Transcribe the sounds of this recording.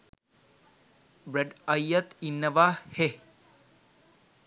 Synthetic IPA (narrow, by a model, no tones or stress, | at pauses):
bɾeɖɐjːat̪inːəʋaːhe